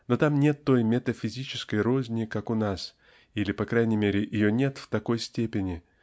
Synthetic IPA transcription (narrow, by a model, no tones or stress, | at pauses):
not̪amnʲe̞t̪ːo̞jmʲet̪əfʲɪzʲit͡ɕɪ̥skəjɾozʲnʲɪkakʊnas | ilʲɪpɐkɾajnʲɪjmʲeɾʲɪʔɪjonʲe̞t̪ft̪ɐko̞jsʲtʲepʲɪnʲɪ